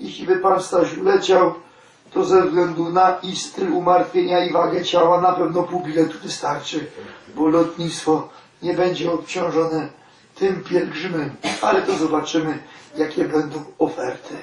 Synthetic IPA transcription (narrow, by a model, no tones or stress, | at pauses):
jɛʃʲibɘpanst̪aɕulɛt͡ɕaw | t̪ɔzɛvzɡlɛnd̪unaist̪ɘlumaɾt̪fʲjeɲaivaɡɛt͡ɕawanapɛvnɔpuwbʲilɛt̪uvɘst̪aɾt͡ʂɘbɔlɔt̪ɲit̪st̪fɔ | ɲɛbɛɲd͡ʑɛɔpt͡ɕɔ̃w̃ʐɔnɛ | t̪ɘmpʲjɛlɡʐɘmɛma̰lɛt̪ɔzɔbat͡ʂɘmɘjakʲɛbɛnd̪ɔ̃w̃ɔfɛɾt̪ʰɘ